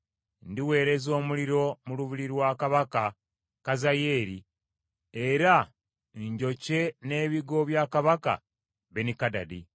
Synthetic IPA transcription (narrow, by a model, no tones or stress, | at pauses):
ndiwe̞ːɾe̞zo̞ːmuliɾo̞muluβiɾiɾwaːkaβaka | kazaje̞ːɾi | eɾa | ɲɟo̞ce̞ne̞ːβiɡo̞βjaːkaβaka̰ | βenikada̰di